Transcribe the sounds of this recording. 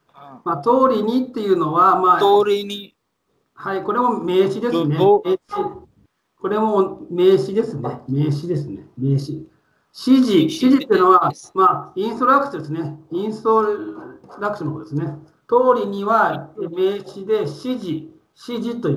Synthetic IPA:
maːt̪o̞ːɾʲiɲ̟it̪ːe̞jɯ̟no̞βamaːɾi | haiko̞ɾe̞mo̞me̞ːɕid̪e̞sɨneei | ko̞ɾe̞mo̞me̞ːɕid̪e̞sɨne̞me̞ːɕid̪e̞sɨne̞me̞ːɕi | ɕiʑiɕiʑitt̪ejɯ̟no̞amaːĩɰ̃st̪oɾakɯ̥t͡ɕod̪e̞s̬ɨneĩst̪o | ɾakɯ̟ɕonokod̪esɨne̞ | t̪o̞ːɾʲiɲ̟iβaeme̞ːɕid̪e̞ɕiʑi | ɕiʑit̪o̞j

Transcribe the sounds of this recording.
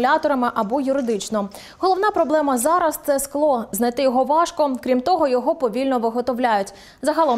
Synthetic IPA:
lʲɑt̪ɔɾɐmɪʔɐbɔjʊɾɪd̪ɪt͡ʃnɔ | ɦɔlˠɔwnɑpɾɔblˠɛmɐzɑɾɐst̪sɛsklˠɔznɐjt̪ɪjɔɦɔʋɑʃkɔkɾʲimt̪ɔɦɔjɔɦɔpɔʋʲilʲnɔʋɪɦɔt̪ɔʋlʲajʊtʲ | zɐɦɑlˠɔ

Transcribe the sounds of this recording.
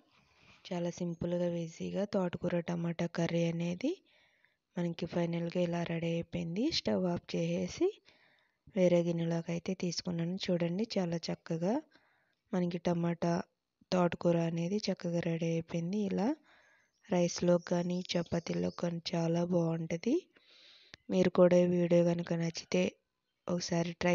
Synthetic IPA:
t͡ʃaːlaːsimpulɡaːbeːziːɡaːt̪aːʈukuːɾɐʈɐmaːʈɐkɐɾiɐne̞ːd̪i | mɐnɐkipʰɐjnɐlɡaːilaːɾʔɐɽeɐjpɐjnd̪isʈɐʋaːp̚t͡ʃɛːje̞ːsi | ʋeːɾe̞ːɡinɐloːkɐjt̪e̞ːt̪iːsu̥kunːaːnut͡ʃuːɽɐɳɖit͡ʃaːlaːt͡ʃɐkːɐɡaː | mɐnɐkiʈɐmaːʈɐ | t̪aːʈkuːɾaːɐne̞ːd̪it͡ʃɐkːɐɡaːɾɐɽeɐjpojnd̪iːlaː | ɾɐjsloːkaːnit͡ʃɛpːɐt̪ilo̰ːkːaːnit͡ʃaːlaːbaːuɳʈɐd̪i | miːɾukuːɽaːʋiːɽijoːɡɐnukɐnɐt͡ʃːi̥t̪e̞ː | ɔkɐsaːɾiʈɾɐ

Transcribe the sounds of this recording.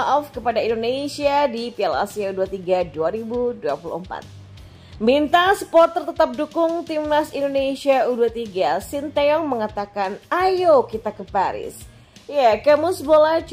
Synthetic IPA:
ʔɔfkəpadaindonesiadipiala̰siauduat̪iɡaduaɾibuduapulṵhəmpa̰t̪̚ | mint̪asə̥pɔt̪ːərt̪ət̪ap̚dukʊŋt̪imnasindonesiauduat̪iɡasint̪aɔŋməŋat̪akanajokit̪akəpaɾɪ̰s | jakəmusbolat͡ʃ

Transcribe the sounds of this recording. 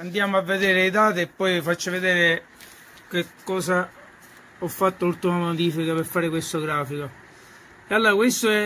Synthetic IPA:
and̪jaːmoavːed̪eːɾeid̪aːt̪iepːɔjfat͡ʃːaved̪eːɾe | kekːɔːsa | ɔfːat̪ːouɾt̪umamod̪iːfikapeɾfaːɾɪkwest̪oɡɾaːfiko | ealːoːɾakwest̪oɛ

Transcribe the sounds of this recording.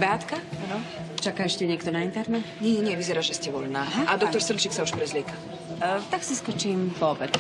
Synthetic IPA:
ʋɛat̪kaanɔt͡ʃakaːɛʃcɛɲɛk̚t̪ɔnaint̪ɛɾnɛt̪ɲɛɲɛɲɪɛʋizɛɾaːʒɛscɛʋɔʎnaːɦaʔad̪ɔt̪ɔɾsr̩t͡ʃɛksauʃpɾɛzlɪɛka | t̪aksiskɔt͡ʃiːmpɔbɛt̪

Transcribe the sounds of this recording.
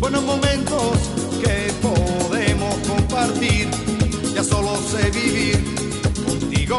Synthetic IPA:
bwenozmomẽnt̪os | kepoðemoskompaɾt̪iɾ | d͡ʒasoloseβiβiɾ | kont̪iɣo

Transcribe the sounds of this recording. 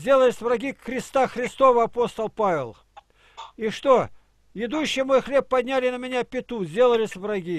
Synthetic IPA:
zʲdʲelˠəlʲɪsʲvrɐɡʲixɾʲɪst̪axɾʲɪst̪o̞vəɐpo̞st̪əlˠpavʲɪlˠ | iʂt̪o | ɪd̪uɕːɪjəmojxlʲe̞pːɐdʲnʲælʲɪnəmʲɪnʲapʲɪt̪uzʲdʲe̞lˠəlʲɪsʲvrɐɡʲi

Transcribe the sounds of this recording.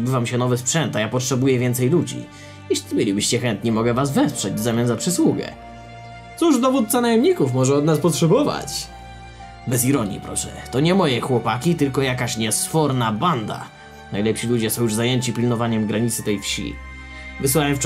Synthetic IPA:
bɘvamɕɛnɔvɛspʂɛnt̪ajapɔtʂɛbujɛvʲjɛnt̪sɛjlud͡ʑḭ | iʂbɘlʲibɘɕt͡ɕɛxɛnt̪ɲimɔɡɛvazvɛspʂɛd͡ʑzamʲjanzapʂɘswuɡɛ̰ | t̪suʐd̪ɔvut̪̚sanajɛmɲikufmɔʐɛɔd̪naspɔtʂɛbɔva̰t͡ɕ | bɛs̬iɾɔɲḭpɾɔ̰ʂɛ̰t̪ɔɲɛmɔjɛxwɔpakʲit̪ɘlkɔjakaɕɲɛsfɔɾnaband̪a̰ | najlɛpɕilud͡ʑɛsɔ̃w̃juʐzajeɲt͡ɕipʲilnɔvaɲɛmɡɾaɲit̪sɘt̪ɛjfɕḭ | vɨswawɛmf

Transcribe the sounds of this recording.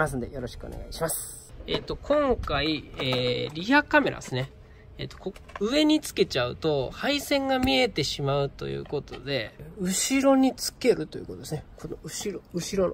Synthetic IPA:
as̬ɨ̃nd̪ejo̞ɾo̞ɕi̥kɯone̞ɡa̰iɕimas | e̞ːt̪ːo̞kʰõ̞ŋkaieːɾʲijakame̞ɾʔa̰d̪esɨne̞ | eːt̪ːo̞̥koɯ̟e̞ɲ̟it͡sɨ̥ke̞t͡ɕaɯ̟̰t̪o̞haisẽ̞ŋɡamʲie̞t̪e̞ɕimaɯ̟t̪o̞̰jɯ̟̰ːko̞t̪o̞d̪e̞ɯ̟ɕiɾo̞ɲ̟it͡sɨ̥ke̞ɾɯ̟t̪o̞jɯ̟̰ːkot̪od̪esnekonoɯ̟ɕiɾoɯ̟ɕiɾon

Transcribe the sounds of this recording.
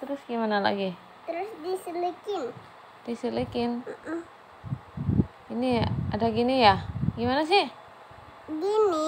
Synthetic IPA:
t̪əɾʊsɡimanala̰ɡi | t̪əɾʊsdisəlikɪn | d̥isəlikɪn̩ | iniadaɡinijaɡimanas̬ɪh | ɡini

